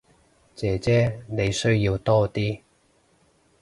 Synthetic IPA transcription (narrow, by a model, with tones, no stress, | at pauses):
t͡sɛː˨˥t͡sɛː˥ne˨˧jsɵ˥ɥji˧wt̪ɔː˥t̪iː˥